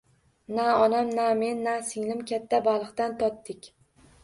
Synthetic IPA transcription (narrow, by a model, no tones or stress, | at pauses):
naɒnamname̞nːasɪŋlɪmkʲat̪ʰːabalˠɨqt̪ant̪ʰɒt̪ːɪkʲ